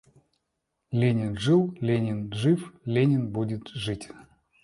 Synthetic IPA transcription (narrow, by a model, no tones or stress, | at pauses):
lʲenʲɪnʐɨlˠlʲenʲɪnʐɨflʲenʲɪnbudʲɪt̪ʐɨtʲ